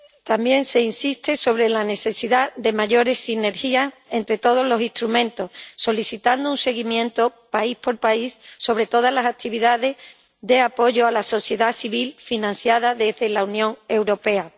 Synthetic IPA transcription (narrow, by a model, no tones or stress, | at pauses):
t̪ambje̞nse̞insist̪e̞so̞β̞ɾe̞lane̞θe̞siðaðe̞maʝo̞ɾe̞sine̞ɾxia | e̞nt̪ɾe̞t̪o̞ð̞o̞zlo̞siht̪ɾumẽ̞nt̪o̞hso̞liθit̪and̪ounse̞ɣimjẽ̞nt̪o̞paihpo̞lpaisːo̞β̞ɾe̞t̪o̞ð̞azlasak̚t̪iβiðaðe̞s | ðe̞apo̞ʝo̞alaso̞θje̞ðasiβilfinãn̟θjaðaðe̞zðe̞launjõ̞ŋe̞wɾo̞pe̞a